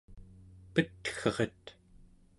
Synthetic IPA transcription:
pət̪xʌʁet̪

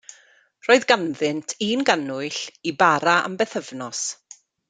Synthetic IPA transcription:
roːɨðɡanðɨntʰiːnɡanʊɨɬibaɾaʔa̰mbɛθəvnɔs

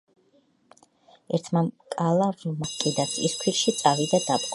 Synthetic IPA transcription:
ɛɾt̪ʰmakʼalˠavmakʼɛd̪asʰiskʰwiɾʃit̪sʼavid̪ad̪apʼqʼ

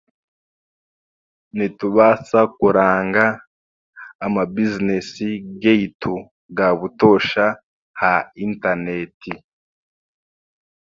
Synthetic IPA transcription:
nituβasakuɾaːŋɡa | mabizinesiɡeitʰu | ɡaβuto̞ʃa | haintanetʰi

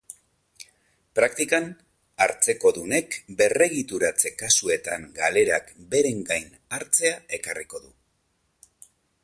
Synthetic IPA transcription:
pɾakt̪ikan | aɾt͡se̞ko̞ðune̞kbe̞re̞ɣ̞it̪uɾat͡se̞kasue̞t̪aŋɡale̞ɾakbe̞ɾe̞ŋɡajn | aɾt͡se̞ae̞kariko̞ðu

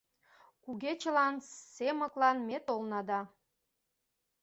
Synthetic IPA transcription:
kuɣet͡ɕəlɑnsemə̆klɑnmet̪olnɑd̪ɑ

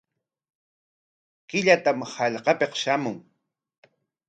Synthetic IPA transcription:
kɪʎat̪amhɑʎqɑpeqʃamʊŋ

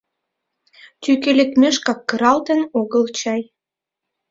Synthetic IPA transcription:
t̪ykelekmeʃkɑkːə̆ɾɑlt̪ə̆noɣə̆lt͡ɕɑj

